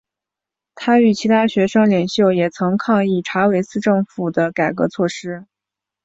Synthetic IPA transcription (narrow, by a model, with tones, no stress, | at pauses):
t̪ʰa˥y˨˩t͡ɕʰi˧˥t̪ʰa˥ɕɥɛ˧˥ʂɤ˥ŋljɛ˨˩ŋɕjo˥˩ʊjɛ˨˩t͡sʰɤ˧˥ŋkʰɑ˥˧ŋi˥˩ʈ͡ʂʰa˧˥we˧˥ɪsɹ̩˥˧ʈ͡ʂɤ˥˩ŋfu˨˩d̪ə˦ka˨˩ɪkɤ̰˧˥t͡sʰwɔ˥˩ʂɻ̩˥